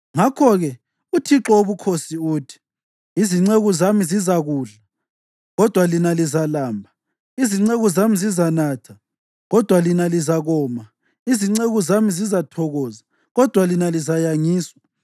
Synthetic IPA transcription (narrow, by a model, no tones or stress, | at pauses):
ŋakʰɔɣɛ | utʰiǁɔoβukʰosiuːtʰi̥ | iziŋ͡ǀeɣɔzamizizaɣuːɮa | ɣɔd̥ʱwalinalizalaːmbʱa | iziŋ͡ǀeɣuzamizizanatʰa | ɣɔd̥ʱwalinalizaɣɔːma | iziŋ͡ǀeɣuzamizizatʰɔɣɔːza | ɣɔd̥ʱwalinalizajaŋiːswa